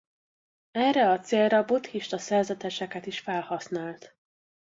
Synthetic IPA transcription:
ɛrːɛɒt̪seːlrɒbot̪hiʃt̪ɒsɛrzɛt̪ɛʃɛkɛt̪iʃfɛlhɒsnaːlt̪

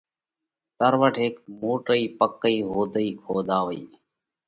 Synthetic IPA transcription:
t̪əɾʋəʈʰeːk̚moːʈəiːpəkːəiːɦoːd̪əiːkʰoːd̪aːʋəḭː

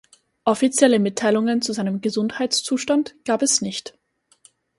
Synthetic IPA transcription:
ʔɔfit͡sjɛləmɪtʰːaɪlʊŋənt͡suzaɪnəmɡəzʊnthaɪt͡st͡suːʃtantɡ̥aːpɛsnɪçt

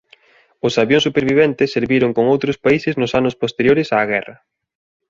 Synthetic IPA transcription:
ʊsaβjõŋsupeɾβiβ̞ɛnt̪ɪsːeɾβiɾoŋkoŋowt̪ɾʊspaisɪznʊsanʊspost̪eɾjoɾɪsaːɣ̞ɛrɐ

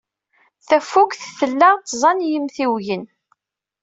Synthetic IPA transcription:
θæfːukʷθθəlːæʁt̪ːzˤɑnjəmθiwjən

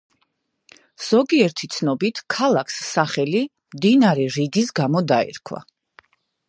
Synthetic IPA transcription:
z̥ɔɡiɛɾt̪ʰit̪sʰnɔbit̪ʰkʰalˠakʰsːaχɛli | md̪inaɾɛɾiɡisɡamɔd̪aɛ̰ɾkʰwa̰

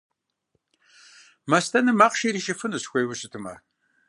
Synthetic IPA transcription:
mɐstʰɐnɨmaːqʃiːɾiːʃɐfɨnɨɕxʷejwʊɕɨtʰɨmɐ̰

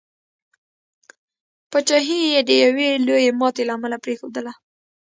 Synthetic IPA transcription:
pət͡ʃɑɦijed̪əjawelojemɑt̪elaːmalapɾexod̪əla

